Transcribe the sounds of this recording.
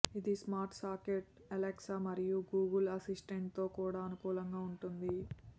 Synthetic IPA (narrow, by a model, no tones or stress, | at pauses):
id̪ismaːɾʈʰsaːkeʈ̚ | ɐleksamɐɾijuɡuːɡɐlɐsisʈeɳʈ̚t̪o̞ːkuːɽaːɐnukuːlɐŋɡaːuɳʈund̪i